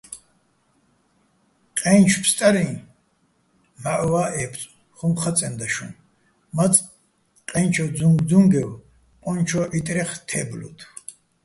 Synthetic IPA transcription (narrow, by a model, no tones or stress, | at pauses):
qʼɛnt͡ʃʰpʰst̪ʼaɾi | maʕwaːʔɛpʰt͡sʼ | χumχat͡sʼɛnd̪aʃṵ̃n | mat͡sʼ | qʼɛnt͡ʃʰɔd͡zuŋɡd̪uŋɡɛw | qʼɔnt͡ʃʰɔʔit̪ʼɾɛχt̪ʰɛblṵt̪ʰ